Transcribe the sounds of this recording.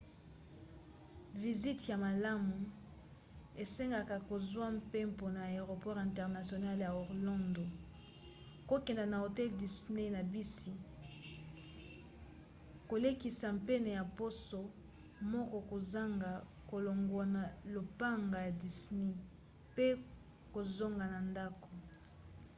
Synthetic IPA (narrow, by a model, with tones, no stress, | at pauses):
vi˨zi˦tja˨ma˨la˦mu˨ | e˨se˦ŋɡa˨ka˨ko˨zwa˦mpe˦mpo˨na˨e˨ʁo˨pɔ˦ʁɛ̃˨ntɛ˨ʁna˨sjo˨na˦lja˨o˨ʁlɔ̃˦ndo˨ | ko˦kɛ˨nda˨na˨o˨tɛ˦ldi˨sne˦na˨bi˦si˨ | ko˨le˦ki˨sa˨mpe˦ne˨ja˨po˦so˨ | mɔ˦kɔ˦ko˨za˦ŋɡa˨ | ko˨lo˨ŋɡwa˨na˨lo˨pa˦ŋɡa˨ja˨di˨sne˦ | pe˦ | ko˨zo˦ŋɡa˨na˨nda˦ko˨